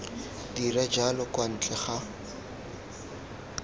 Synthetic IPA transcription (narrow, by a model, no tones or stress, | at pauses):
dirɛd͡ʒalɔkʼwan̩t͡ɬʼɛχa